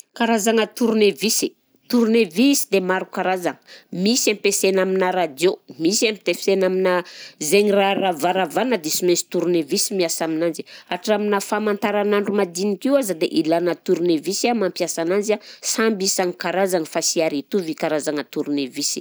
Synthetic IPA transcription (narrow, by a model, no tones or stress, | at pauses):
kaɾazaŋət̪uɾunevisi | t̪uɾuneviisi̥d̪emaɾukaɾazaŋə̥misampesenaminaɾad͡ʒomisamit̪efsenaminəzeɲiraravaɾavanəd̪isimensi̥t̪uɾunevisimiasaminand͡ʒiaʈ͡ʂaminəfamant̪aɾanaɳɖ͡ʐumad̪inikiwazəd̪eʔilanət̪uɾunevisamampjasananzasambisaŋikaɾazaŋəfasiaɾit̪uvikaɾazaŋət̪uɾunevisḭ